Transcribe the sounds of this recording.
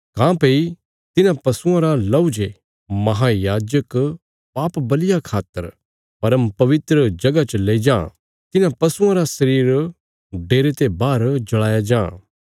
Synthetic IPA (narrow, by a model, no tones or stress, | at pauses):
kãːpei | t̪ɪnãpɐsʊãɾalɐʊd͡ʒe | mɐɦajaːd͡ʒək | paːpbɐlɪjakʰaːt̪ːəɾ | pɐɾəmpɐʋɪt̪ɾəd͡ʒɐɡat͡ʃleːid͡ʒãː | t̪ɪnãpɐsʊãɾasɐɾiːɾ | ɖeːɾet̪ebaːɾd͡ʒɐɭaːjad͡ʒãː